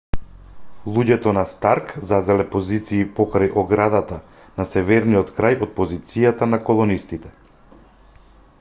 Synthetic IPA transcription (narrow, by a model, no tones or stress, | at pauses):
lˠuɟɛt̪ɔnast̪aɾkzazɛlɛpɔzit̪siːpɔkɾajʔɔɡɾad̪at̪a | nasɛvɛɾnijɔt̪kɾajɔt̪̚pɔzit̪sijat̪anakɔlˠɔnist̪it̪ɛ